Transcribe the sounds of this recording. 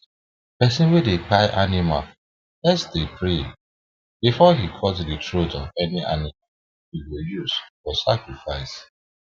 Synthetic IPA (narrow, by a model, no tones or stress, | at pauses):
pɛsĩnwedepaɪʔanima̰l | lɛsdepɹe | bifɔɦikʰɔtditʰɹodɔvɛniʔa̰nimal | hiwijuz̥fɔsakɹifaɪs